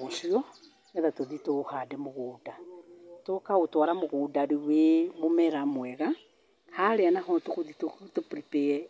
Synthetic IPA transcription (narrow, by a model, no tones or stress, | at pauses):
ɣosiɔ | ɛðatoðitohadɛmoɣuːdatokautwaɾamoɣudaɾiwemumɛɾamwɛɣa | haleanaɦɔtukuðitutupɾipeɛ